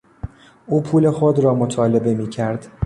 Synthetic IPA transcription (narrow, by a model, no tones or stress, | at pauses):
ʔuːpʰuːle̞xod̪rɒːmot̪ʰɒːle̞be̞miːcʰæɾd̪̥